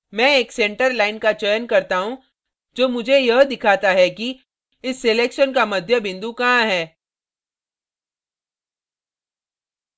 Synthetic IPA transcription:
mɛ̃ːeːksẽːɳʈəɾlaːɪnkat͡ʃəjənkɐɾt̪aɦũ | d͡ʒoːmʊd͡ʒʱejɐɦd̪ɪkʰaːt̪aɦɛki | ɪsːeleːkʃənkamɐd̪ʱjəbɪ̃nd̪ukɐɦãɦɛː

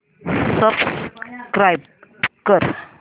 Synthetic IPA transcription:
səbskɾajb̚ | kəɾ

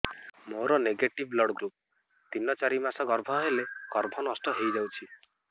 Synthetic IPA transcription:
moɾɔneɡeʈiblɔɽɡɾup̚ | t̪inɔt͡ʃaɾimasɔɡɔɾbʱɔɦeleɡ̥ɔɾbʱɔnɔst̪ɔɦejd͡ʒawt͡ʃʰi

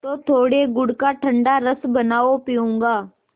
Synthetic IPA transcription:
t̪oːt̪ʰoːɽeːɡʊɽkaːʈʰəɳɖaːɾəsbənaːoːpɪjũːŋɡaː

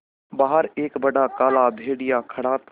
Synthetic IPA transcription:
baːɦəɾeːkbəɖakaːlabʱeːɽɪjãkʰəɽaːt̪

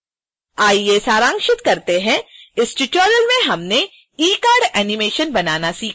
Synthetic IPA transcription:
aːieːsaːɾãːŋkʃɪt̪kɐɾt̪eɦɛ̃ɪsʈɪʈoːɾəlmẽɦɐmne | iːkaːɾɖɛːnɪmeːʃənbɐnaːnasiːkʰ

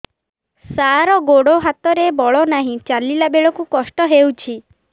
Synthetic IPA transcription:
saɾɔɡoɽoɦat̪ɔɾebɔɭɔnaɦĩt͡ʃalilabeɭɔkukɔsʈɔɦewt͡ʃʰi

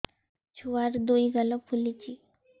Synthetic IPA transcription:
t͡ɕʰuʋaɾd̪ojɡʱaləpʰulit͡ɕi

